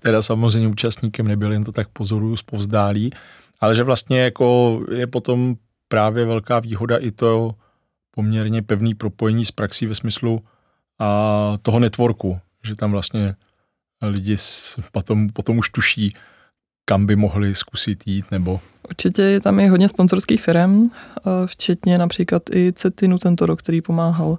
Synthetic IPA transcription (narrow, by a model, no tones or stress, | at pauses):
t̪ɛdasamozrɛjɲɛuːt͡ʃast̪ɲiːkɛmnɛbɪljɛnt̪ot̪ak̚po̞zo̞ɾujuspo̞vzdaːliː | ʔalɛʒɛvlast̪ɲɛjako̞jɛpo̞t̪o̞m | pɾaːvjɛvɛlkaːviːɦo̞daʔɪt̪o | po̞mɲɛɾɲɛpɛvniːpɾo̞po̞jɛɲiːspɾaksiːvɛsmɪslu | at̪oɦo̞nɛt̪voɾku | ʒɛt̪amvlast̪ɲɛ | lɪɟɪspot̪ompot̪omuʃt̪uʃiː | kambɪmoɦlɪskusɪt̪jiːt̪nɛbo̞ | ʔuɾt͡ʃɪcɛjɛt̪amjɪɦo̞dɲɛsponzoɾskiːxfɪɾɛm | ft͡ʃɛt̪ɲɛnapr̥iːklat̪ʔɪt͡sɛt̪ɪnut̪ɛnt̪oɾok̚t̪ɛɾiːpomaːɦal